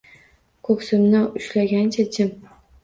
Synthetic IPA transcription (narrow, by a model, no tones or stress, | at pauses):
kʰɵkʲsɪmnɪʊʃlaɡʲant͡ʃʰat͡ʃʰɪm